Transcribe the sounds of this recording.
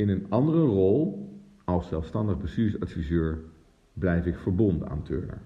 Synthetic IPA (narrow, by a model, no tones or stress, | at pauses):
ɪnənɑndərərɔlˠ | ɑlˠssɛlˠfstɑndəχbəstyːrɪŋsɑtfizøːɹ | blɛjfɪkfəɹbɔndəna̰ːntʰø̰ːɹnə̰ɹ